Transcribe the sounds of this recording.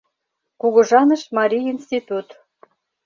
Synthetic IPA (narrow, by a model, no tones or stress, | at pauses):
kuɣɤ̆ʒɑnəʃmɑɾʲiinst̪ʲit̪ut̪